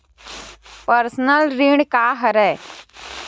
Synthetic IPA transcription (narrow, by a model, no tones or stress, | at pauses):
pəɾsnəlɾiɳɖkaːɦəɾɛː